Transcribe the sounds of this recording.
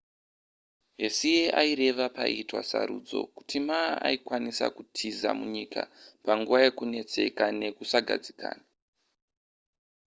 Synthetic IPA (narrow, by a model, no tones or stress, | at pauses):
ɦe̞sijeʔaiɾe̞ʋapaitwa̰sa̰ɾṵːd͡zo̞̰ku̥timaːaikwanisa̰kutʰiza̰muɲikapaŋɡuʋaje̞kune̞t͡se̞̰kane̞kusaɡʱa̰d͡zika̰ːna